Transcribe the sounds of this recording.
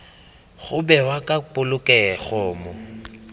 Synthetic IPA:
χʊbɛwakʼapʼʊlʊkʼɛχɔːmʊ

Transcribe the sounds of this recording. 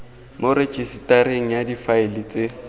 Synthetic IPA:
moɾet͡ʃʰʼisi̥tʼaɾeŋ̩jadifaɪlɪt͡sʼe

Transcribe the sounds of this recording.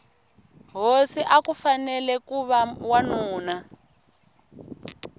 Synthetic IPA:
ɦosiʔakufanɛlɛkuβawanuːna

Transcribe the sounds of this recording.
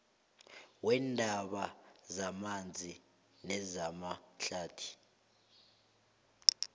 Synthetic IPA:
wɛndʱaɓazamand͡zʱi | nɛzamaɬaːtʰi̥

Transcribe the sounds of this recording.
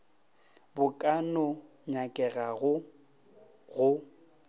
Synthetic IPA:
bʊkʼanɔ | ɲakʼɛɣaɣʊ | ɣʊ

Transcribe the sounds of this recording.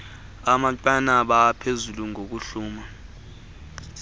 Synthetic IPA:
amantʼwanaɓapʰezuluŋok̬uɬuːma

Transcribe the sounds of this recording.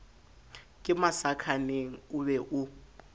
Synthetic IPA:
kʼɪmasakʰaneŋ̩ʊβɛʔʊ

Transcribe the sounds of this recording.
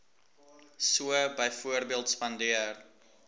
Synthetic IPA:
suəbəjfuərbiəlˠtspɐndiər

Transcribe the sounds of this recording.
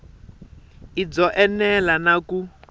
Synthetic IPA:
id͡zɔʔɛnɛlanaku

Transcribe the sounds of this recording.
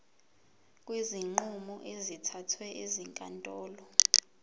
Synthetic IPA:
k̬ʼwiziŋ͡ǃumɔʔezitʰatʰwɛʔeziŋkʼa̰ntʼɔːlɔ

